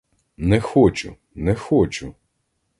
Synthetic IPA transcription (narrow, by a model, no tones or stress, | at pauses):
nɛxɔt͡ʃʊ̰ | nɛxɔt͡ʃʊ